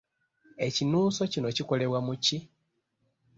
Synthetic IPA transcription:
e̞cinuːso̞cino̞ciko̞le̞βwamuci

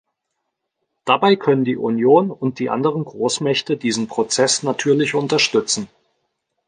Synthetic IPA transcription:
d̥abaɪkʰœnəndiːʔunjoːnʊnt̚d̥iːʔa̰ndəʁ̞ənɡʁoːsmɛçtədiːzn̩pʁ̥ot͡sɛsnatʰyːɐlɪçʊntɐʃtʏt͡sn̩

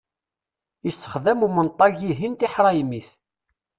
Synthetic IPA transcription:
jəsːə̥χðæmumənt̪ˤːɑʝiɦint̪iħɾˤɑjimiθ

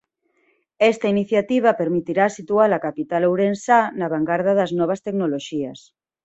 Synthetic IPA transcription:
ɛst̪ɐiniθjat̪iβ̞apeɾmit̪iɾasit̪ualakapit̪alowɾensanaβaŋɡaɾðaðɐznɔβ̞ɐst̪eknoloʃiɐs

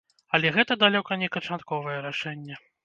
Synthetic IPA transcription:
ɐlʲɛɣɛt̪ɐd̪alʲɔkɐnʲɛkɐt͡ʂat̪kɔvɐjɛɾaʂɛnʲːɛ

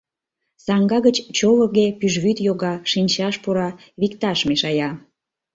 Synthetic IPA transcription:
sɑŋɡɑɣət͡ɕt͡ɕoləɣepyʒβyt̪joɣɑʃinʲt͡ɕɑʃpuɾɑ | βikt̪ɑʃmeʃɑjɑ

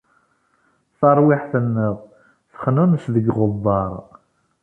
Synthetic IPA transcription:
θɑɾˤwɪħθənːəðˤ | θə̥χnunsðəɡʁʊðˤːɑɾˤ

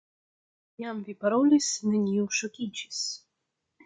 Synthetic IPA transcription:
jamvʲipaɾɔlʲisnɨnʲiwʃɔkʲit͡ɕi̥s

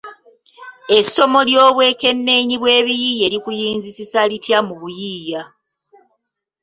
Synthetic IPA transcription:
e̞so̞mo̞ljo̞ːβwe̞ːke̞nːe̞ɲiβwe̞ːβijije̞ːɾikujiːnzisisalitjamuβujiːja

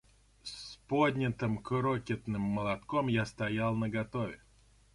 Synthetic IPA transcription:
spod̪ʲnʲɪt̪ɨmkɾokʲɪt̪nɨmːəlˠɐt̪komjast̪ɐjalˠnəɡɐt̪ovʲɪ

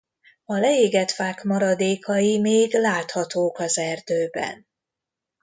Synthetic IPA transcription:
ɒlɛeːɡɛt̪faːkmɒɾɒd̪eːkʰɒjimeːɡlaːt̪hɒt̪oːkɒzɛrd̪øːbɛ̰n

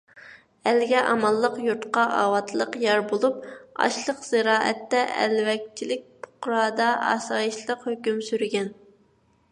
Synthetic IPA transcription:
ælɡʲɛʔɑmɑlˠːəqjuɾt̪qɑʔɑːwɑt̪ʰlˠəqjɑɾbolˠup̚ɑ̰ʃlˠəqz̥ɨɾɑːʔɛ̰t̪ːɛʔɛ̰lwɛk̚ʲt͡ʃʰilɪk̚ʲpʰʊ̥qɾɑːd̪ɑʔɑ̰ːsɑːjiʃlˠəqhøkʲymsyɾɡʲɛn

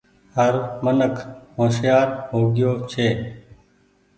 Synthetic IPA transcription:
həɾmənəkʰɦoːʃjaːɾɦoːɡɪjoːt͡ʃʰeː

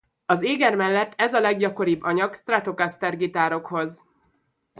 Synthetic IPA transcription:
ɒzeːɡɛrmɛlːɛt̪ːɛzɒlɛɡɟɒko̞ɾibːɒɲɒɡst̪rat̪o̞kast̪ɛrɡit̪aːɾo̞kho̞z

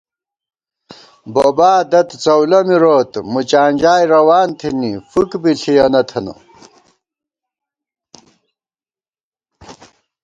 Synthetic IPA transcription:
boːbaːd̪ɐt̪t͡sɐwlɐmiɾoːt̪mut͡ɕaːnʲd͡ʑaːjɾɐwaːnt̪ʰinifukbiɬʰijɐnɐt̪ʰɐnɐ̰

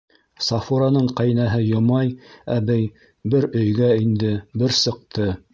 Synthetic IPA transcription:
sɑfuɾanɤɴqæjnæɦɘjŏmɑjæbæj | bɘɾɵ̆jɡæind̪ɘbɘɾsɤ̆q̚t̪ɤ

